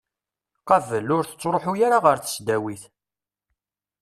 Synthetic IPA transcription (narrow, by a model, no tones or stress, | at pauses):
qɑvəlːʊɾθə̥t͡sːɾˤoħujaɾaʁəɾθə̥sd̪æwiθ